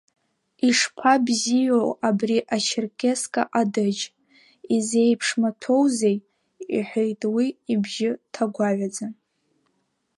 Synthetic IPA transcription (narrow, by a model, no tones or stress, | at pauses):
iʂpʷʰabzijowabriʔat͡ʃʰɪrkʲʰʼe̞skʼa̰ʔadɨd͡ʒ | izejpʰʂmatʰo̞wze̞j | ḭħʷᶣejtʼwiibʒɪtʰaɡʷaʕʷad͡zan